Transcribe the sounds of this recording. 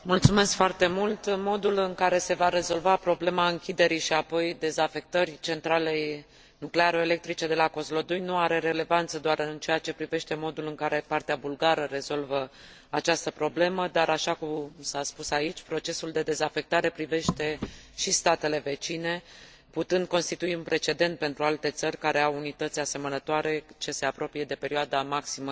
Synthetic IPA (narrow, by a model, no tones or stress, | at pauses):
mult̪sume̞skfoart̪e̞mult̪mo̞d̪ulɨŋkaɾe̞se̞vaɾe̞zo̞lvapɾo̞ble̞maɨŋkʲid̪e̞ɾiʃiapo̞jd̪e̞zafe̞k̚t̪ərʲt͡ʃe̞nt̪ɾale̞j | nukle̞aɾoele̞k̚t̪ɾit͡ʃe̞d̪e̞lako̞zlo̞d̪ujnuaɾe̞ɾe̞le̞vant̪səd̪oaɾɨnt͡ʃe̞at͡ʃe̞pɾive̞ʃt̪e̞mo̞d̪ulɨŋkaɾe̞part̪eabulɡaɾəɾe̞zo̞lvə | at͡ʃast̪əpɾo̞ble̞məd̪aɾaʃakumsaspusait͡ʃʲpɾo̞t͡ʃe̞suld̪e̞d̪e̞zafe̞k̚t̪aɾe̞pɾive̞ʃt̪e̞ | ʃist̪at̪e̞le̞ve̞t͡ʃine̞ | put̪ɨnd̪̚ko̞nst̪it̪uiunpɾe̞t͡ʃe̞d̪e̞nt̪̚pe̞nt̪ɾualt̪e̞t̪sərʲkaɾe̞awunit̪ət̪sʲase̞mənət̪oaɾe̞t͡ʃe̞se̞apɾo̞pije̞d̪e̞pe̞ɾioad̪amaksimə